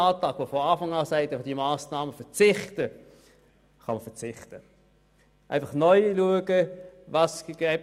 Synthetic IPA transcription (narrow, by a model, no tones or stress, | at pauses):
ɑːtɑːɡ̥ʋofɔɑːfɑŋɑːsæɪtfd̥imaːsnɑːməfɛt͡sɪχtə | χɑ̰məfɛʁt͡sɪχtə | ʔæ̰ɪfɑχnɔʏluəɡəvɑsɡɛɪp